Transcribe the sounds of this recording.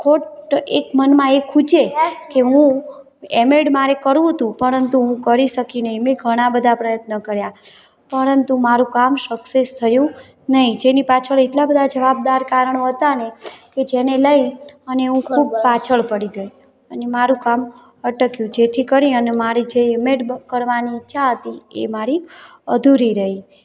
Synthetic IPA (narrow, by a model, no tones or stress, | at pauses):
kʰoʈekmənmãekʰud͡ʒekeɦũ | emeɽmaɾekəɾũɦət̪ũpəɾənt̪uɦũkəɾiʃəkinəɦĩmẽɡʱəɽ̃abəd̪ʱapɾəjət̪nəkəɾja | pəɾənt̪umaɾũkamsəksest̪ʰəjũ | nəɦĩd͡ʒenipat͡ʃʰəɭeʈlabəd̪ʱad͡ʒəʋab̚d̪aɾkaɾəɳ̃oɦət̪aneked͡ʒeneləiəneũkʰub̚pat͡ʃʰəɭpəɽiɡəi | ənemaɾũkam | əʈəkjũd͡ʒet̪ʰikəɾĩənemaɾid͡ʒeɪmeʈkəɾʋaniːtːʃʰaɦət̪iḛmaɾi | əd̪ʱuɾiɾəɦi